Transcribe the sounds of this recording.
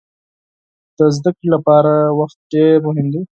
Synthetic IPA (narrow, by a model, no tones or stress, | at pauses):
d̪̥əzd̪akɽilapɑɾawaxt̪̚ɖeɾmʊɦɪmd̪i